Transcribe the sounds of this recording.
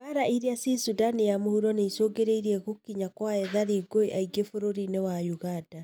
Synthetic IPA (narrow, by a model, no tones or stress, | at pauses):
aɾaʔiɾeasisudanijamohuɾɔneisoɡeɾeiɾiɛɣokiɲakwaɛðaɾiɡoiʔaiɡefoɾoɾinewajuɣad̥a